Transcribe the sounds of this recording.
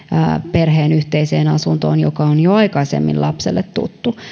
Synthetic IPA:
perɦeːnyht̪eiseːnɑsunt̪o̰ːnjokɑonjoɑikɑisḛmːḭlʔɑpsḛlːet̪t̪ṵt̪ːu

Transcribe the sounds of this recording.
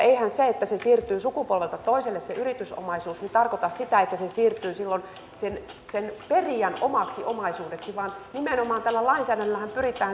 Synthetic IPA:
eihænseet̪ːæsesiːrt̪yːsukupolʋelt̪ɑt̪oiselːesseʔyrit̪yso̰mɑisuːsnit̪ɑrkot̪ɑssit̪æet̪ːæsesiːrt̪ˑyːsilːon | sen | senperiænomɑksiʔomɑisuːdeksiʋɑːnnimenomɑːnt̪ælːælɑinsæːdænlːæhæmpyrit̪ːˑæː

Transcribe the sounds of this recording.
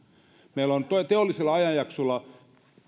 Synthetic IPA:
meilont̪ot̪eolːˑiselːˑɑɑjɑjjɑksolːˑɑ

